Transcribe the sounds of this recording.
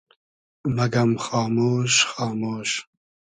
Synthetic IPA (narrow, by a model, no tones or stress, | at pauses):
mɐɡɐmxɑːmoːʃxɑːmoːʃ